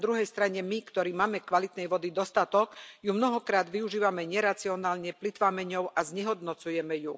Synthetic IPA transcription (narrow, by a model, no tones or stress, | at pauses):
d̪ɾuɦɛjst̪ɾaɲɛmikt̪ɔɾiːmaːmɛkʋalit̪nɛjʋɔd̪id̪ɔst̪at̪ɔkjumnɔɦɔkɾaːd̪ʋiuʒiːʋamɛɲɛɾat͡siɔnaːlɲɛplit̪ʋaːmɛɲɔʊʔazɲɛɦɔd̪nɔt͡sujɛmɛju